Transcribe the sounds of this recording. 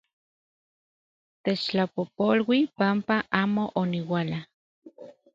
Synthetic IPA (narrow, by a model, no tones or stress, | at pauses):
t̪et͡ʃt͡ɬapopolwipampaʔaːmoʔoniwala